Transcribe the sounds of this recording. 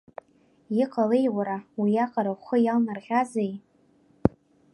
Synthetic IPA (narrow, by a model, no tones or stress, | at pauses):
ɪqʼalejwaɾawijaqʼaɾaχəjalnarʁʲazaj